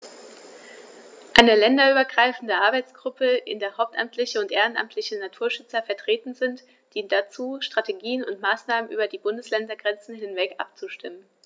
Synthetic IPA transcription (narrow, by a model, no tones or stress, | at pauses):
ʔaɪnəlɛndɐyːbɐɡʁaɪfn̩dəʔaɐbaɪt͡sɡ̥ʁʊpʰəʔɪ̰ndeːɐhaʊp̚tʔa̰mtʰlɪçəʊntʔeːʁ̞ənʔa̰mtʰlɪçənatʰuːɐʃʏt͡sɐfɛɐtʁ̥eːtn̩zɪnt | d̥iːnt̚d̥at͡suːʃtʁ̥ateɡiːənʊntmaːsnaːmənʔyːbɐdiːbʊndəslɛndɐɡʁɛnt͡sn̩hɪnvɛkʔa̰pt͡suʃtɪmən